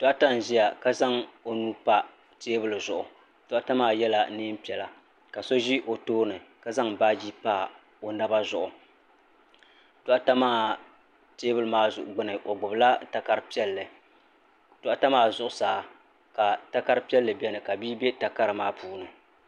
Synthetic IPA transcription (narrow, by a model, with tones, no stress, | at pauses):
tɔ˦ʔa˦ta˦n˨ʒi˦ja˨ka˦za˦ŋo˨nuː˦pa˦ | teː˦bɨ˦˨lɨ˨zʊ˨ʔʊ˨ | tʊ˨ʔa˦ta˦maː˦jɛ˦la˦nɨː˦m̩˦pi˨ɛ˨la˨ | ka˨so˦ʒi˦ʔo˨toː˦nɨ˨ka˦za˦ŋbaː˦d͡ʒi˦paː˦˨ | o˨na˦ba˦zʊ˨ʔʊ˨ | tɔ˦ʔa˦ta˦maː˦ | teː˦bɨ˦lɨ˨maː˦zʊ˨ʔʊ˨ɡ͡bɨ˦nɨ˨ʔo˨ɡ͡bʊ˨bla˦ta˦ka˦ɾɨ˦pi˦ɛ˦lːɨ˨ | tʊ˨ʔa˨ta˦maː˦zʊ˨ʔʊ˨saː˨ | ka˨ta˦ka˦ɾɨ˦pi˦ɛ˦lːɨ˨bʲɛ˦nɨ˨ka˨biː˦bɛ˦ta˨ka˦ɾɨ˨maː˦puː˦nɨ˨